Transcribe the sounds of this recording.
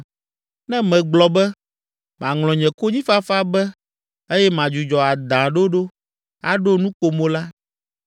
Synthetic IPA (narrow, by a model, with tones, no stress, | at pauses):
nɛ̃˦mɛ̃˨ɡ͡blɔ˨bɛ˦ | mã˨ŋlɔ̃˨ɲɛ̃˨ko˦ɲĩ˦fa˦fa˦bɛ˦ | e˦jɛ˦mã˨d͡ʒu˨d͡ʒɔ˨a˨d̪ã˨ɖo˦ɖo˦ | a̰˨ɖo˦nũ˦ko˨mõ˦la˦